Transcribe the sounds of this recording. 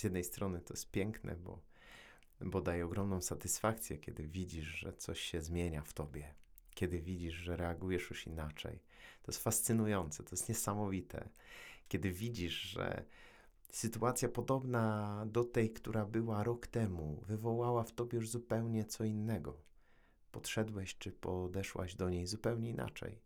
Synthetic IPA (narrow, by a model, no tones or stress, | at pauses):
zjɛd̪nɛjst̪ɾɔnɘt̪ɔjɛst̪̚pʲjɛŋknɛ̰bɔ̰ | bɔd̪ajɛɔɡɾɔmnɔ̃w̃sat̪ɘsfakt̪sʲjɛkʲʰɛ̰d̪ɘvʲid͡ʑiʐʐɛ̰t̪sɔɕɕɛzmʲjeɲaft̪ɔbʲjɛkʲɛd̪ɘvʲid͡ʑiʐʐɛɾɛaɡujɛʂjuʂinat͡ʂɛ̰j | t̪ɔjɛst̪fast̪sɘnujɔnt̪sɛt̪ɔjɛst̪ɲɛsamɔvʲit̪ʰɛ̰kʲɛd̪ɘvʲid͡ʑiʂʐɛ̰ | sɘt̪uat̪sʲjapɔd̪ɔbnad̪ɔt̪ɛjkt̪uɾabɘwaɾɔkt̪ɛmuvɘvɔwawaft̪ɔbʲjɛjuʐzupɛwɲɛt̪sɔinːɛɡɔ | pɔt̪ʂɛd̪wɛɕt͡ʂɘpɔd̪ɛʂwa̰ʑd̪ɔɲejzupɛwɲɛina̰t͡ʂɛ̰j